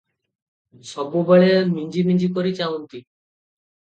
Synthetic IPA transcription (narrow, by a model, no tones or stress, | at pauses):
sɔbubeɭemiɲd͡ʒimiɲd͡ʒikoɾit͡ʃaunt̪i